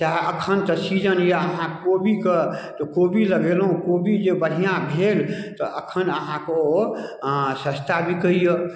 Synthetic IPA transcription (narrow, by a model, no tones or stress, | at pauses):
t͡ʃaɦəkʰənt̪əsid͡ʒənjeəɦãkobikət̪ɔkobiləɡelɦũkobid͡ʒebəɽ̤ijãbʱelt̪ɔʔəkʰənəɦãko | sə̃st̪ʰabʱikəijo